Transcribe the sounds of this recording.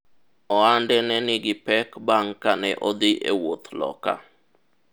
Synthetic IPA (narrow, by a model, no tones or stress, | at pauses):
ɔandɛnɛnɪɡɪpɛkbaŋkanɛʔɔd̪ɪʔḛwot̪lɔ̰ka̰